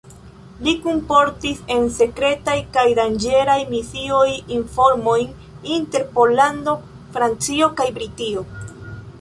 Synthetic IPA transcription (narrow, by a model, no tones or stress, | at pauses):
likumpo̞ɾtise̞nse̞kɾe̞tajkajdand͡ʒe̞ɾajmisiojiɱfo̞ɾmo̞jn | inte̞ɾpo̞lando̞ | fɾant͡sio̞kajbɾitio̞